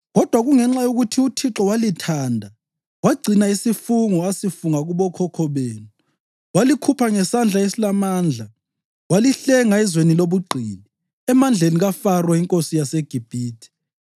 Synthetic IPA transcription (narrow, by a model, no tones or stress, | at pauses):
ɣɔd̥ʱwaɣuŋɛŋ͡ǁajoɣutʰiutʰiǁɔwalitʰaːndʱa | waɡ͡ǀʱinaisifuŋɔasifuŋaɣuβɔkʰɔkʰɔβeːnu | walikʰupʰaŋɛsand͡ɮʱaesilamaːnd͡ɮʱa | waliɬɛŋaɛzweniloβuɡ͡ǃʱḭːni | ɛmand͡ɮʱeniɣafarwaiŋkʼosijaseɡ̥ʱib̥ʱiːtʰi̥